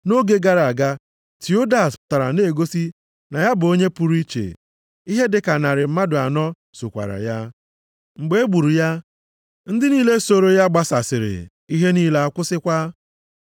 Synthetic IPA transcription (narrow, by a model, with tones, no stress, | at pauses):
no˦ɡe˦ɡa˦ɾa˨ɡa˦ | tʰi˨o˦da˦˨sta˨ɾa̰˨ne˨ɡo˦si˦ | na˨ja˦bʊ˨o˦ɲe˦pu˨ɾi˦t͡ʃḛ˨ | i˦ɦe˦dɪ˨ka˨na˨ɾɪ˨m̩˦ma˦dʊ˨a˨nɔ˦ | so˨kʷa̰˨ɾa̰˨ja˦ | ŋ͡m̩˨ɡ͡be˦e˦ɡ͡bu˨ɾu˨ja˦ | n̩˦dɪ˦niː˦le˦so˨ɾo˦ja˦ɡ͡ba˦sa˨sɪ˨ɾɪ̰˨ | i˦ɦe˦niː˦le˦a˦˨kʷʊ˦sɪ˦kʷa˦